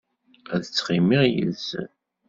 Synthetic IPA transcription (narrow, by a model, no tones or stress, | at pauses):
æðət͡sːχimiʁjə̰lzn